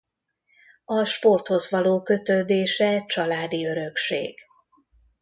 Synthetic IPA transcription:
ɒʃpo̞rt̪ho̞zʋɒloːkø̞t̪ød̪eːʃɛt͡ʃɒlaːd̪iø̞ɾø̞kʃḛːɡ̥

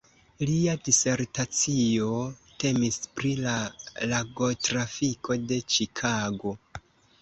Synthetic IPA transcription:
liadise̞ɾtat͡sio̞te̞mispɾilalaɡo̞tɾafikʰo̞de̞t͡ʃikʰaɡo̞

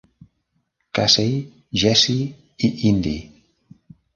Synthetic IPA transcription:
kasej | ʒɛsi | iʔind̪ḭ

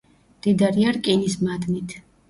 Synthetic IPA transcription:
d̪̥id̪aɾiaɾkʼinismad̪nit̪ʰ

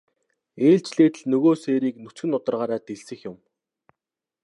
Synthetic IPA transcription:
eːɮt͡ɕɮeːt̪ɘ̆ɮnɵɣoːseːɾiːknɵt͡sɡɘ̆nʊt̪ə̆rʁaːɾaːt̪eɮsɘ̆xjʊm

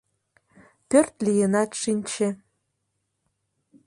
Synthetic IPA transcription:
pʲørt̪lʲijenɑt̪ʂinʲt͡ɕʰe

